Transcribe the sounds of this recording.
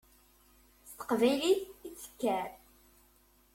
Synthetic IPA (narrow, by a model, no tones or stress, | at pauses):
st̪ə̥qvæjliθit͡sːə̥kːæɾ